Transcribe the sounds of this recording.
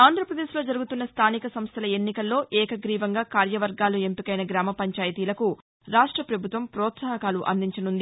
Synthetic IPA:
aːnd̪ʱɾɐpɾɐd̪e̞ːslo̞ːd͡ʒɐɾuɡut̪unːɐst̪ʰaːnikɐsɐmst̪ʰɐlɐe̞nːikɐlːo̞ːʔɛːkɐɡɾiːʋɐŋɡaːkaːɾjɐʋɐɾɡaːlue̞mpikɐjnɐɡɾaːmɐpɐɲt͡ʃaːjɐt̪iːlɐku | ɾaːʂʈɾɐpɾɐbʱut̪ʋɐmpɾɔːt̪saːɦɐkaːluʔɐ̰nd̪iɲt͡ʃɐnund̪i

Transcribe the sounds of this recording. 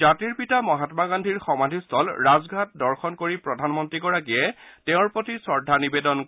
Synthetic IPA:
atiɹpitamɔɦatmaɡandʱiɹxɔmadʱistʰɔlɹazɡʱat̚dɔɹxɔnkoɹipɹɔdʱanmɔntɹiɡɔɹak̬ijɛteʊ̃ɹpotʰisɔɹdʱanibedɔn

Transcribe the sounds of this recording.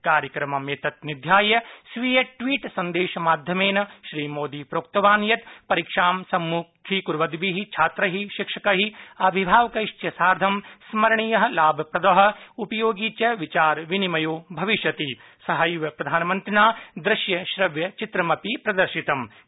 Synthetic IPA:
kaːɾjɐkɾɐmɐmeːt̪ɐt̪̚nid̪ʱjaːjɐsʋijɐʈʋiːʈsɐnd̪eːʃɐmaːd̪ʱjɐmeːnɐʃɾiːmoːd̪iːpɾoːk̚t̪ɐʋaːnjɐt̪pɐɾikʂaːmsɐmːuːkʰikuɾʋɐd̪ʋiɦit͡ʃʰaːt̪ɾɐɦiʃikʂɐkɐɦiɐbʱibʱaːʋɐkɐʂt͡ʃjɐsaːɾd̪ʱɐmsmɐɾɐɳijɐɦɐ̆laːbʱɐpɾɐd̪ɐɦɐ̆upɐjoːɡiːt͡ʃɐʋit͡ʃaːɾʋinimɐjoːbʱɐʋiʃjɐt̪i | sɐɦɐjʋɐpɾɐd̪ʱaːnɐmɐnt̪ɾɪnaːd̪ɾɪʃjɐʃɾɐʋjɐt͡ʃit̪ɾɐmɐpipɾɐd̪ɐɾʃit̪ɐm

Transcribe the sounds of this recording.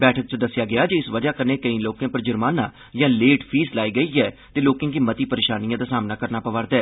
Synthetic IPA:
bɛːʈʰək̚t͡ʃəd̪əsːjaːɡɪaːd͡ʒeɪsʋəd͡ʒaːkəneːkəĩːloːkãːpəɾd͡ʒəɾmaːnaː | jãːleːʈpʰiːslaːiːɡəiːɛːt̪eːloːkẽːk̬iːmət̪iːpəɾeːʃaːnijãːd̪aːsaːmnaːkəɾnaːpəʋaːɾd̪ɛː

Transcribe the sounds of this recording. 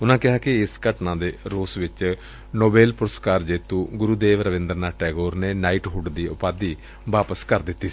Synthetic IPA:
ʊnãːkɪɦaːkɪɪskəʈnãːd̪eːɾoːsʋɪt͡ʃ | noːbeːlpʊɾəskaːɾd͡ʒeːt̪ũːɡʊɾuːd̪eːʋɾəʋɪ̃nd̪əɾnaːʈɛːɡoːɾneːnaːiʈɦʊɖd̪iːʊpaːd̪iː | ʋaːpəskəɾd̪ɪt̪ːiː

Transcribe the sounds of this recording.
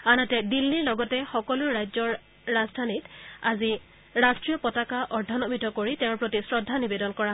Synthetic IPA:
anɔtɛdilːiɹlɔɡɔtɛxɔkɔlʊɹːajzɔɹː | azdʱanitazi | ɹastɹijɔpɔtakaʔɔɹdʱanɔmitɔkoɹitɛʊ̃ɹpɹotisɹɔdʱːanibedɔnkɔɹa

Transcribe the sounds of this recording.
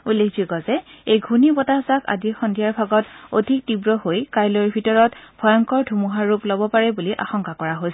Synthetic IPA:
ulːekʰzuɡɔzɛejɡʱunibɔtazaka̰dixɔndʱijaɹbʱaɡɔto̰dʱik̚tibɹɔhojkajloɹbʱitɔɹɔtb̥ʱɔjɔŋkɔɹdʱumuɦaɹːuplɔbɔpaɹɛbuliʔa̰xɔŋkakɔɹaɦojsɛ

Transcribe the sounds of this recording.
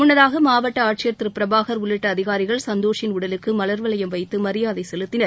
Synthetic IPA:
mʊɳːɐðaːɣɐmaːʋɐʈːɐaːʈ̚t͡ʃɪjɐɾt̪ɾɯpɪɾɐbaːɣɐɾʊɭːɪʈːɐːðɪɣaːɾɪɣɐɭsɐnd̪oːʂɪnʊɽɐlɯkːɯmɐlɐɾʋɐlɐjɐmʋɐɪt̪ːɯmɐɾɪjaːðɐɪsɛlɯt̪ːɪnɐɾ

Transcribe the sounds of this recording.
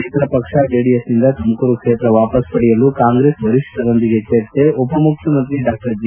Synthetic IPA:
et̪ɾɐpɐkʂaɖeːɽijɐsind̪ɐt̪ʰɐmɐkuɾukʂeːt̪ɾɐʋaːpɐspɐɽijɐlukaːŋɡɾeːsbɐɾiʂʈ̪ɐd̪ond̪iɡet͡ʃeːɾt̪eɔpɐmukʰjɐmɐnt̪ɾiɖaːk̚ʈɐɾd͡ʒ

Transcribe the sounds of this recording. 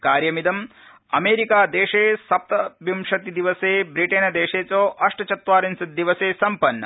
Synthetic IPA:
kaːɾjɐmid̪ɐm | ɐmeːɾikaːd̪eːʂeːsɐp̚t̪ɐbimʃɐt̪id̪iʋɐseːbɾiʈeːnɐd̪eːʂeːt͡ʃoːʔɐʂʈɐt͡ʃɐt̪ʋaːɾinsɐd̪iʋɐseːsɐmpɐnːɐ̰

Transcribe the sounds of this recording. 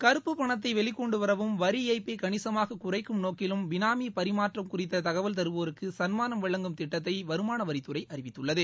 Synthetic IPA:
kɐɾɯpːɯpɐɳɐt̪ːɐɪʋɛɭɪkːɔɳɖɯʋɐɾɐʋɯmʋɐɾiɐːɪpːeɪkɐɳɪsɐmaːɣɐkʊrɐɪkːɯmnoːkɪlɯmʋɪnaːmipɐɾɪmaːʈrɐmkʊrɪt̪ːɐt̪ɐɣɐʋɐlt̪ɐɾɯʋoːɾɯkːɯsɐnmaːnɐmʋɐɭːɐŋɡɯmt̪ɪʈːɐt̪̬ːɐɪʋɐɾɯmaːnɐʋɐɾɪt̪ːɯrɐɪʔɐɾɪʋɪt̪ːɯɭːɐðɯ

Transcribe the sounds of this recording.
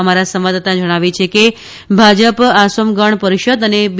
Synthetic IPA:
əmaɾasəmʋad̪at̪ad͡ʒəɽ̃aʋit͡ʃʰeke | bʱad͡ʒəpasomɡəɳpəɾiʃəd̪əneb

